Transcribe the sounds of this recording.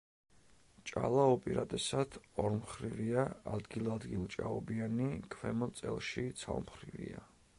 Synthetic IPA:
t͡ʃʼa̰lˠaupʼiɾad̪ɛsad̪̥ʰɔɾmχɾiviaad̪ɡilˠad̪ɡilˠt͡ʃʼa̰ɔbianikʰvɛmɔt̪sʼɛ̰lˠʃit̪sʰa̰lˠmχɾivḭa

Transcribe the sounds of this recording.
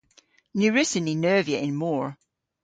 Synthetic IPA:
nʉɹɪsəninɜːviəʔɪ̃nmɔɹ

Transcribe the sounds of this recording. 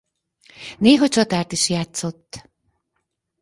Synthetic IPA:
neːɦɒt͡ʃɒt̪aːrt̪iʃjaːt̪so̞t̪ː

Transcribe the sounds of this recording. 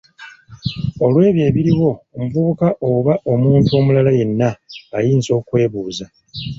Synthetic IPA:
o̞lwe̞ːβje̞ːβiɾiɣo̞ːmuvuβukaʔoβaʔo̞muːntuo̞ːmulalaje̞nːaajiːnzo̞ːkwe̞ːβuːza

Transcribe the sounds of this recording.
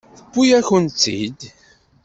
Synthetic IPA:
θə̥kʷːujæçʊnt͡s̪ːḭd̪

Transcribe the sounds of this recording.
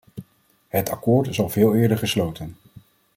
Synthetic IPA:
ɦətɑkʊːɹtɪsɑlˠvɪːlˠɪːɹdəɹχəslowtən

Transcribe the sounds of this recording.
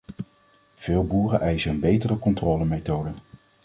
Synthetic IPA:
v̥ɪːlˠbuːrəʔɛjsəənbejtərəkɔntrɔːləmejtowdə

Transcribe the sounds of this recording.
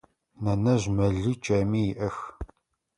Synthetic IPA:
nɐnɐʑmɐɮɨt͡ʃʼɐmiːjɪʔɐx

